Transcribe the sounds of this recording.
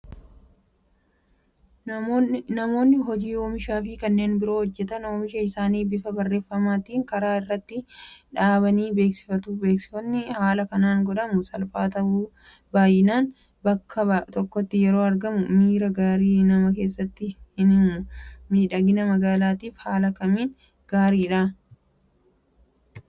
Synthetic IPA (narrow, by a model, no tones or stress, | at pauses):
nɐmo̞ːnːɪɦɔd͡ʒiːoːmɪʃaːfɪkɐnːe̞ːnbɪɾo̞ːhɔd͡ʒːɛt̪ɐnoːmɪʃɐɪsaːniːbɪfɐbɐrːe̞ːfːɐmaːt̪iːŋkɐɾaːɪrːɐt̪ːɪᶑaːbɐniːbeːksɪ̥fɐt̪uːbe̞ːksɪ̥fɐnːɪhaːlɐkɐnaːŋɡɔᶑɐmʊsɐlfaːt̪ɐʔuː | baːjɪnaːn | bɐkʰːɐɐt̪ɔkːɔt̪ːɪjɛɾo̞ːɐɾɡɐmʊmiːɾɐɡaːɾiːnɐmɐke̞ːs̬ːɐt̪ːɪhɪn | miːᶑɐɡɪnɐmɐɡaːlaːt̪iːfhaːlɐkɐmiːn | ɡ̥aːɾiːᶑaː